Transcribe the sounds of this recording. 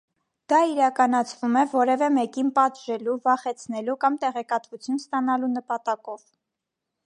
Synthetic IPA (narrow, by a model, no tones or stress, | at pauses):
d̪̥ɑiɾɑkɑnɑt͡sʰvumɛvɔɾɛvɛmɛkinpɑt̪ʒɛluvɑχɛt͡sʰnɛlukɑmt̪ɛʁɛkɑt̪vut͡sʰjunst̪ɑnɑlunəpɑt̪ɑkɔv̥